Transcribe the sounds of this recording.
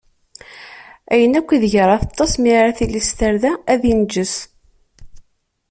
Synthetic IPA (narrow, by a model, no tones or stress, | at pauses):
æjənækʷːiðʝəɾˤɑθɑt̪ˤːɑsmiʕɾæθilist̪əɾðææðind͡ʒːəs